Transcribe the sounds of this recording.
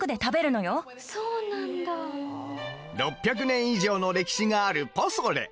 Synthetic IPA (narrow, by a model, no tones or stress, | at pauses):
kɯ̟d̪e̞t̪abe̞ɾɯ̟no̞jo̞ | soːnãnd̪a | ɾo̞pʲːjak̬ɯ̟nẽ̞ɰ̃iʑo̞ːno̞ɾe̞kʲi̥ɕiŋaːɾɯ̟posoɾe̞̰